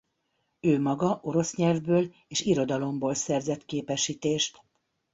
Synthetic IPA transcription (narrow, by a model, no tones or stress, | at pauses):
øːmɒɡɒʔo̞ɾo̞sɲɛlvbøːl | eːʃiɾo̞d̪ɒlo̞mboːlsɛrzɛt̪keːpɛʃːiːt̪eːʃt̪